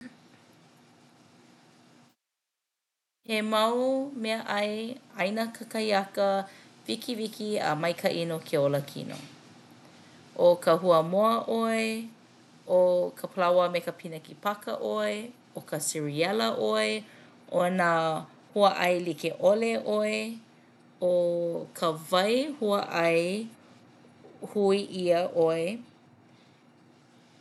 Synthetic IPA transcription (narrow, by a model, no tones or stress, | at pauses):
hemɐwmeəʔɐjɐjnəkʰəkɐjɐkəvikivikiɐ̰mɐjkʰɐʔinokʰeoləkʰḭno̰ | ʔokəhuəmoəʔoe | ʔokʰəpʰəlawəmekəpʰinəkipɐkə̰ʔoe | okəsiɹiɛləʔoe | ʔona | huəʔɐjlikeʔoleʔoe | okʰəvɐjhuəʔɐj | huiʔiəʔoe